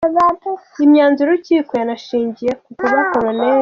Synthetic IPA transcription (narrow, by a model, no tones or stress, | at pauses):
βatuimɲaːnzuɾuciːkojanaʃiːɲɟije̞kukuβakoɾane